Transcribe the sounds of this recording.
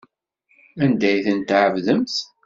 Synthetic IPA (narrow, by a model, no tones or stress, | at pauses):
ænd̪æjθənt̪ʕəvðəmθ